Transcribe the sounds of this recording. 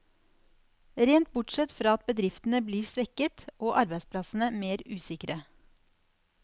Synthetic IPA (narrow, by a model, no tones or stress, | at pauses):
ɾeːnt̪̚bʊʈʂɛt̪fɾɑːɑt̪̚bəd̪ɾɪft̪n̩əbliːɾsʋɛkət̪ʔoːʔɑɾbæɪspʰlɑsn̩əmeːɾʉːsɪkɾə